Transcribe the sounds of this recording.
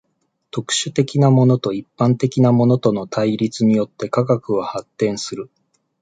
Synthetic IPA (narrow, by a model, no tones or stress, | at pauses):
t̪o̞kɯ̥ɕɨt̪e̞kʲinamo̞no̞t̪o̞ipːãnt̪e̞kʲinamo̞no̞t̪o̞no̞t̪ʰaiɾʲit͡sɨɲ̟ijo̞t̪ːe̞kaɡakɯ̟βahat̪ːẽ̞ɰ̃sɨɾɯ̟